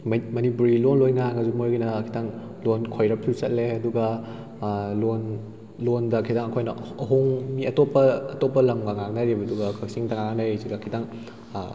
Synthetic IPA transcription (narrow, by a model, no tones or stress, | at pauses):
mmɐnipuɾilonlojnaŋɐzumojɡinɐkʰitaŋ | lonkʰojɾɐpʰisɐ̰t̚leɐduɡɐ | lon | londɐkʰidaŋɐkʰojnɐɐɦoŋmiɐtopːɐːtɔpːɐlɐmɡaŋaŋnaɾibɐduɡɐkʰɐk̚siŋtaŋaɡanajziɡakʰitaŋ